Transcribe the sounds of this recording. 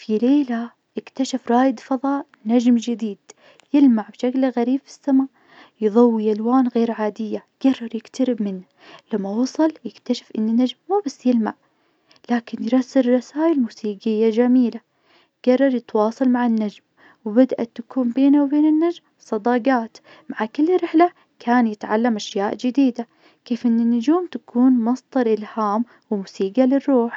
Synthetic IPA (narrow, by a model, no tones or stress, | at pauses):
fileːla | jɪkt̪aʃafɾˤɑːjɪd̪fɑðˤɑːʔ | nad͡ʒmd͡ʒɪd̪iːd̪̥ | jɪlmaʕbʃaklɣaɾiːbfi̥sːamaːʔ | jðˤɑwːiʔalwaːnɣeːɾʕaːd̪ɪjːa | ɡ̥ɑrˤːɑɾˤjɪkt̪aɾɪbmɪnːa | lamːawɑsˤɑljɪkt̪aʃḁfʔɪnːinːad͡ʒmːuːbasːjɪlma̰ʕ | laːkɪnjɾˤɑsːɪɾɾˤɑsaːʔɪlmuːsiːɡɪjːad͡ʒamiːla | ɡ̥ɑrˤːɑɾˤjɪt̪wɑːsˤɑlmaʕanːad͡ʒm | wɪbad̪ʔa̰t̪ːakuːmbeːnawbeːnɪnːad͡ʒm | sˤɑd̪ɑːɡɑːt̪ | maʕakɪlːɾɪħla | kʰaːnjɪt̪ʕa̰lːamʔaʃjaːʔd͡ʒɪd̪iːd̪a | keːfʔɪnːɪnːʊd͡ʒuːmt̪akʰuːnmɑsˤd̪ˤɑɾˤʔɪlhaːm | wɪmuːsiːɡalɪrːuːħ